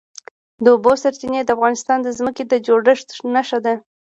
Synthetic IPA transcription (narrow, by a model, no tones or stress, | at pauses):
d̪əobosaɾt͡ʃined̪əafɣɑnɪst̪ɑnd̪əzməked̪əd͡ʒoɽəʂt̪naʃad̪a